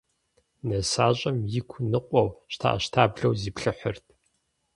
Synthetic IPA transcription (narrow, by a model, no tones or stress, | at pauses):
nɐsaːɕʼɐmjɪkʷʰʊnɨqʷʼɔwɕtʰa̰ʔɐ̰ɕtʰaːbɮɐwziːpɬɨħərt̚ʰ